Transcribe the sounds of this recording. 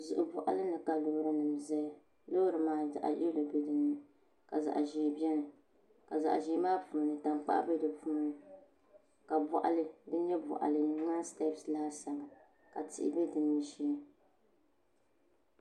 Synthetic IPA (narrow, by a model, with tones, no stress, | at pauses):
zʊ˨ʔʊ˨bɔ̰˨ʔa̰˨˦lɨ˦nɨ˨ka˨lo˨˦ɾɨ˦nɨ˨m˨zɛ˦˨ | lo˦ɾɨ˨maː˦za̰˨ʔa̰˨ʔɛ˦lo˨bɛ˦dɨ˦nːɨ˨ | ka̰˨za̰˨ʔʒɛː˨bɛ˦nɨ˨ | ka˨za̰˨ʔʒɛ˨˦maː˦pu˨nɨ˨ta˨ŋk͡pa̰˦ʔbɛ˦dɨ˨puː˦nɨ˨ | ka˨bɔ̰˨ʔa̰˨lɨ˦dɨ˦ɲɛ˦bɔ̰˨ʔa̰˨lɨ˨nɨ˨ŋa˦stɛ˦psla˦hsa˨ma˨ | ka˨tɪ̰˨ʔɪ̰˨bɛ˦dɨ˨nːɨ˦ʃɛ˦lɨ˦